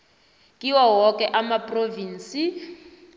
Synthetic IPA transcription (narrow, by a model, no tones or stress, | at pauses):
kʼiwawɔkʼɛʔamapʼroviːnsi